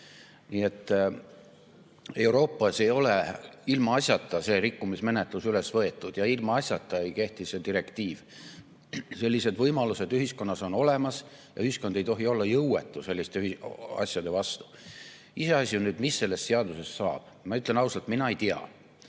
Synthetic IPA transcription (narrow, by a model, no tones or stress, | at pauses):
niːe̞t̪ːˑ | e̞wɾo̞ːpːˑɑse̞jo̞le̞ilmɑɑsʲjɑt̪ːˑɑse̞ːɾikːumisme̞ne̞t̪ˑlusyle̞svɤe̞t̪ːˑud̪̥jɑilmɑɑsʲjɑt̪ˑːɑejke̞ht̪isse̞d̪iɾe̞kt̪iːv | se̞lʲːise̞d̪vɤjmɑluse̞d̪yɦisko̞nːɑso̞no̞le̞mɑs | jɑ̰yhisko̞nd̪e̞jt̪o̞ɦio̞lːɑjɤwwe̞t̪ːˑuse̞lʲːist̪eyɑ̰sʲjɑd̪e̞vɑst̪u̥ | ise̞ɑsʲjunyːd̪misːe̞lːe̞st̪se̞ɑd̪use̞sːɑːb̥mɑyt̪ˑle̞nɑuwsɑlt̪minɑejt̪iɑ̰